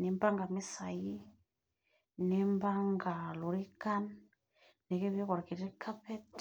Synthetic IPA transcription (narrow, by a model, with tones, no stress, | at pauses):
ni˨mba˦ŋɡa˨mi˦sa˨ji˦ | ne˨mba˦ŋɡa˨lu˨ɾi˦ka˦n | ne˨kɛ˦βɛ˦kɔ˨ɾa˨ki˨ɾi˦kʰa˦pɛ˦t